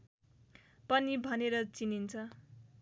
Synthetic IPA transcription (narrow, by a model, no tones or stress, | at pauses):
pʌnibʱʌneɾʌt͡sinint͡sʰʌ